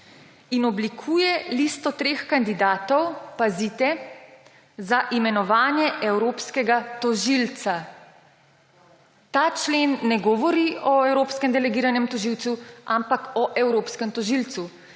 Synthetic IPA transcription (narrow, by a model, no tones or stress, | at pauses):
inɔblikʰuːjɛlist̪ɔt̪ɾeːxkand̪id̪aːt̪ɔwpazit̪ɛ | zaʔimɛnɔʋaːnjɛʔɛwɾoːpskɛɡat̪ɔʒilt̪sa | t̪aːt͡ʃleːnːɛɡɔʋɔɾiʔɔɛwɾoːpskɛmd̪ɛlɛɡiːɾanɛmt̪ɔʒiwt̪suʔampakɔʔɛwɾoːpskɛmt̪ɔʒilt̪su